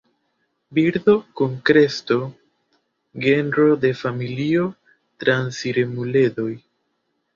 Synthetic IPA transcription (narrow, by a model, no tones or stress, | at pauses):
biɾdo̞kuŋkɾe̞sto̞ | ɡe̞nɾo̞de̞familio̞ | tɾansiɾemule̞do̞j